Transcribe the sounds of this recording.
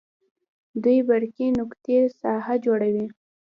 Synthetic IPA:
d̪ujbaɽkinʊkt̪esɑɦad͡ʒoɽawi

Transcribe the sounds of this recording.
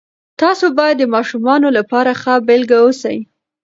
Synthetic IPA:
t̪ɑsobɑjad̪ːəmɑʃumɑnolapɑɾaxabɪlɡawosa̰j

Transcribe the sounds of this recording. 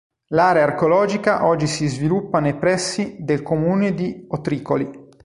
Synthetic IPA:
laːɾeaːrkeolɔːd͡ʒikaʔɔd͡ʒːisizvilupːanejpɾɛsːid̪elkomuːned̪iot̪ɾiːkoli

